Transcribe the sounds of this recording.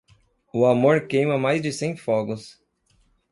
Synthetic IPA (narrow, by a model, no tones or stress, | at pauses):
ʊamoɾkejmɐmajzd͡ʒɪsẽj̃fɔɡʊs